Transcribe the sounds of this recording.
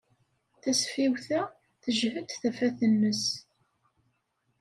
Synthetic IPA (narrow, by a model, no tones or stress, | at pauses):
θæsfiwθæ | θəʒhəd̪θæfæθənːəs